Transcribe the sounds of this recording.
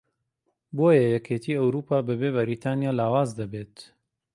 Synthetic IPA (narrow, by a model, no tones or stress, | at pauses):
boːjɐjɛkʰeːt̪ʰiːɐwɾuːpʰaːbɐbeːβɐɾit̪ʰaːnijaːlaːwaːzd̪ɐbeːt̪